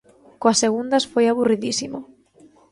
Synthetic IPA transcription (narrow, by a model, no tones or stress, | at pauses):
koasːeɣund̪ɐsfojaβuriðisimo